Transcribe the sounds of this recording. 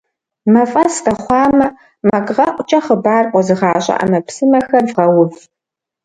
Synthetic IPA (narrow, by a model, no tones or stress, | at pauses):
mɐfʼɐsqɐχʷɑːmɐ | mɐkʼʁɐʔʷʼt͡ʃʼɐχəbaːrqʷʼɔzɨʁɑːɕʼɐ̰ʔɐ̰mɐpsɨmɐxɐrvʁɐwʊv